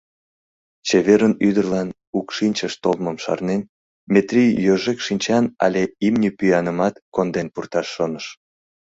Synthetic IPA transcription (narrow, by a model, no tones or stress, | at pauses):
t͡ɕeβeɾənyd̪ərlɑn | ukʃinʲt͡ɕəʃt̪olməmʃɑ̰rnen | mʲet̪rʲijjøʒekʃinʲt͡ɕɑnɑ̰lʲeimnʲipyjɑnəmɑt̪kond̪enpurt̪ɑʃːonəʃ